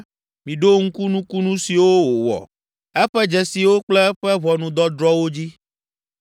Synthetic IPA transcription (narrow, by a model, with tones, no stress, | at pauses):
mĩ˨ɖo˦ŋ̩˦ku˦nũ˦ku˦nũ˦si˨wo˦wo˨wɔ̰˨ | ɛ˦ɸɛ˦d͡ʒɛ˨si˨wo˦k͡plɛ˦ɸɛ˦βɔ˨nũ˨d̪ɔ˦d̪ɾɔ˦wo˦d͡ʑi˦